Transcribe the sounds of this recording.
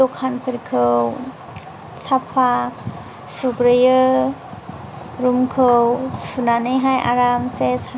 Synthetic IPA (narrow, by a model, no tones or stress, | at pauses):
ɔkʰanpʰəɾkʰɯw | sapʰa | suɡɾəjɯ | ɾumkʰɯwsunanɯɦajʔa̰ɾamsesa